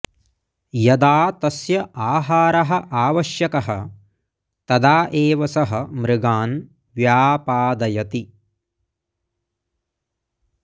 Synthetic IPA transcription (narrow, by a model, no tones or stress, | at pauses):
jɐd̪aːt̪ɐsjɐʔaːɦaːɾɐɦɐ̆ʔaːʋɐʃjɐkɐɦɐ | t̪ɐd̪aːʔeːʋɐsɐɦɐmɾɪɡaːn | ʋjaːpaːd̪ɐjɐt̪i